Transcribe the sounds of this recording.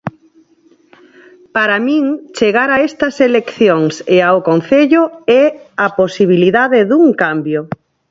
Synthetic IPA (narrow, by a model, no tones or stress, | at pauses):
paɾamĩŋt͡ʃeɣaɾaɛst̪ɐselekθjoŋseaokon̟θeʎʊɛaposiβ̞iliðaðɪðuŋkambjo